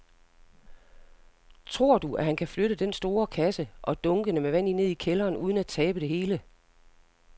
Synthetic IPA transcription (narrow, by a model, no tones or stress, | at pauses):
t͡sʰʁo̝ɐ̰d̥uʔæɦhænkʰæfløɾəd̥ensd̥o̝ːɐkʰæsəʔɒ̽d̥ɔ̽ŋɡ̥ənəmeʋæn̰ine̝ð̞̰ˠikʰelɐːnʔuːð̞ˠən̩æt͡sʰɛːb̥əd̥e̝ɦe̝ːlə